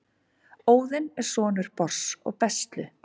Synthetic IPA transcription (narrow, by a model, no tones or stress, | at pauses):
oːwðɪnɛɾ̥sɔːnʏɾ̥pɔr̥sɔ̰ɣpɛst̪lʏ